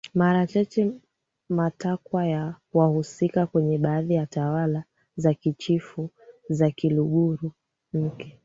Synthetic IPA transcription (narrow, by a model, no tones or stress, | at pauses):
maɾat͡ʃat͡ʃɛ | matakwaja | wahusikakwɛɲɛɓaːðijatawala | zakit͡ʃifu | zakiluɠuɾu | m̩kɛ